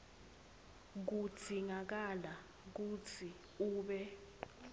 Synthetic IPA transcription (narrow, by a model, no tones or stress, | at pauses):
k̬u̥d̥ʱiŋak̬ala | k̬ut͡sʰi | uːɓɛ